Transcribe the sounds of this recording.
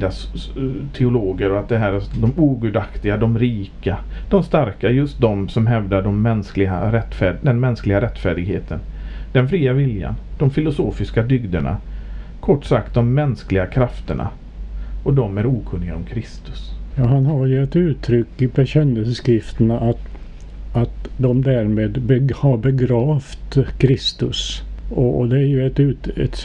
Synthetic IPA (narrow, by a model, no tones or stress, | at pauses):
d̪ast̪ʰɛʊloːɡəɾɔat̪̚d̪ɛɦæːɾæd̪ɔmuːɡʉːd̪akt̪ɪɡad̪ɔmɾiːkad̪̥ɔmst̪aɾkajɵst̪̚d̪ɔmsɔmɦɛvd̪aɖɔmːɛnsklɪɡaɾɛt̪ːfæːd̪ɛnmɛnsklɪɡaɾɛt̪ːfæːɖɪɡheːt̪ʰənd̪ɛnfɾiːavɪlja̰nd̪̥ɔmfɪlʊsoːfɪskad̪ʏɡd̪əɳa̰ | kʰɔʈːsak̚t̪̚d̪ɔmːɛnsklɪɡakʰɾaft̪əɳa̰ | ɔd̪ɔmæɾuːkʰɵnːɪɡaɔmkʰɾɪst̪ɵ̥sjɑːɦanɦaɾjɵɛt̪ʉ̟ːt̪ʰɾʏkːɪbɛɕɛnːəlsəskɾɪft̪ənaʔat̪ | at̪d̪ɔmd̪æɾmeːd̪bɛhaɾbɛɡɾɑːft̪kʰɾɪst̪ɵsɔɔd̪ɛæɾjɵɛt̪ʉ̟ːt̪ɛ̰t̪